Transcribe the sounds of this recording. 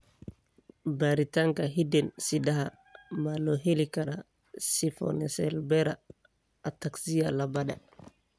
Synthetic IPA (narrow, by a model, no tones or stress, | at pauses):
baɾitaŋkaɦidɛnsidaɦa | malɔɦelikaɾa | sifɔ̰nɛsɛlbɛɾaː | taksijalabaɗa̰